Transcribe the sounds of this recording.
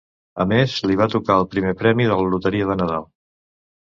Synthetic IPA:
əmezliβ̞at̪ukaəlˠpɾimepɾɛmiðəllut̪əɾiəðənəða̰lˠ

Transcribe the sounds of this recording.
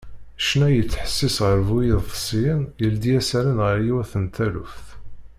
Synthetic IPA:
ʃnæjət͡sːħə̥sːisʁəɾvujɪðˤsˤiənjəld̪ijæsæɾənʁəɾjiwæθənt̪ælṵfθ

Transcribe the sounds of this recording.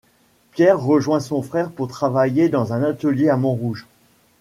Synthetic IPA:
pjɛʁːəʒwɛ̃sɔ̃fχɛʁpuʁt̪χavajed̪ɑ̃zɛ̃nat̪əljeamɔ̃ʁuʒ

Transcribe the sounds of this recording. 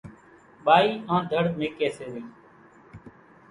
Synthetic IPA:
ɓaːiːãːd̪ʱəɽmeːkeːseːʋiː

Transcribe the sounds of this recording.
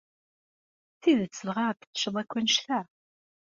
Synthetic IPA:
θiðət͡sːəlʁaɾt̪ə̥t͡sːʃəðˤækʷːænʃθæ

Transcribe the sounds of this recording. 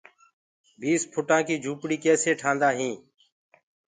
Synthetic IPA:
bʱiːspʰʊʈãːkiːd͡ʒʱuːpɽiːkeːseːʈʰãːnd̪aːɦĩː

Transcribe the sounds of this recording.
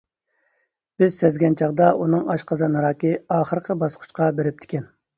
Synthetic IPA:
b̥ɪzsɛzɡʲɛnt͡ʃʰɑʁd̪ɑʔunɨŋɑʃqʰɑzɑnɨɾɑːkʲiɑːχəɾqʰəbɑsqʰʊ̥ʃqʰɑbeɾɪp̚t̪ʰɪ̥kʲɛn

